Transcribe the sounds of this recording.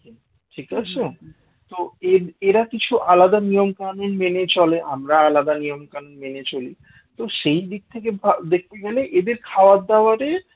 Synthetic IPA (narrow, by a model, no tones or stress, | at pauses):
ʈʰikat͡ɕʰe | t̪oeeɾakit͡ɕʰuʔalad̪anijomkanonmenet͡ɕɔleʔamɾaalad̪anijomkanonmenet͡ɕoli | t̪oʃejd̪ik̚t̪ʰek̬ebʱad̪ek̚ʰt̪eɡɛleʔed̪eɾkʰaoadd̪ːaoaɾe